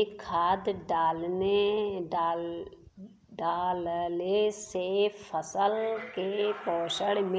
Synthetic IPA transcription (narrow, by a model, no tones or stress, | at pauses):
kʰaːd̪ɖaːlnea | ɖaːllesepʰːəsəlkepɔːʃəɽmẽ